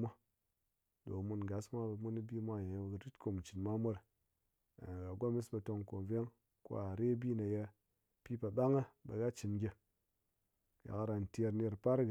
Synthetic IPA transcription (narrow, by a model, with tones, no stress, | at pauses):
a˦ | do̰˨mu˧nɡa˨smʷa˦bmu˦ni˦bi˦mʷa˦˨je˨jɡə˨ɾi˦tko˨m˨t͡ʃi˨nma˦mʷo˦ɾ | ɡa˨ɡʷa˦mi˦sba˧to˧ŋko˨m˨ve˦ŋ | ko̰˦a˨ɾe˦bi˦na˨je˧ | pi˦pa˨ɓa˦ŋə˦ba̰˨ɡa˦t͡ʃi˨nɡʲe˧ | ja̰˨ka˨ɾa˨n˨te˧ɾne˧ɾpa˦ɾɡ